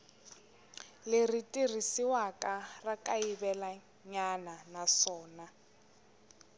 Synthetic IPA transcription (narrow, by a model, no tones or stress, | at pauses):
lɪritʼir̤isiwakʼarakʼaibɛla | ɲananasɔːna